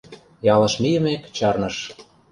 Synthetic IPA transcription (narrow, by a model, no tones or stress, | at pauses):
jɑlɤ̆ʃmijə̆mekt͡ɕɑrnɤ̆ʃ